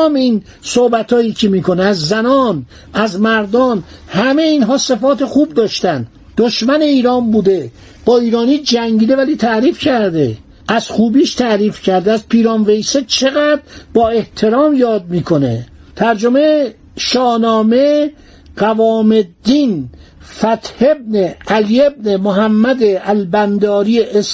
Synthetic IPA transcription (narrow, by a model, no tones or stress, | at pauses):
miːn | sohbæt̪ʰɒːjiːcʰemiːkʰo̞neæzːænɒːn | æzmæɾd̪ɒːnhæmejiːnɦɒːse̞fɒːt̪ʰexuːb̚d̪ɒːʃt̪æn | d̪̥oʃmæne̞iːɾɒːmbuːd̪e̞ | b̥ɒːiːɾɒːniːd͡ʒæŋɟiːd̪evæliːt̪ʰæʔɾiːfcʰæɾd̪e | æz̥xuːbiːʃt̪ʰæʔɾiːfcʰæɾd̪eæzpʰiːɾɒːnve̞jset͡ʃʰe̞ɣæd̪ɾbɒːe̞ht̪ʰe̞ɾɒːmjɒːd̪̚miːkʰo̞ne̞̰t̪ʰæɾd͡ʒome | ʃɒːnɒːme | ɢævɒːme̞d̪iːn | fæt̪he̞b̚neælijeb̚nemoɦæmːæd̪eʔælbænd̪ɒːɾieʔes